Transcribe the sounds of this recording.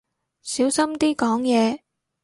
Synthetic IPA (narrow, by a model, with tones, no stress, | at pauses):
siː˨˥wsɐ˥mt̪iː˥kɔː˨˥ŋjɛː˨˧